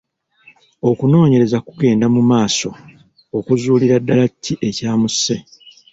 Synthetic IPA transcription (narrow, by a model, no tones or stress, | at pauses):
o̞kuno̞ːɲe̞ɾe̞zakuɡe̞ːndamumaːso̞ː | kuzuːliɾadːalacʰːiʔe̞caːmusːe̞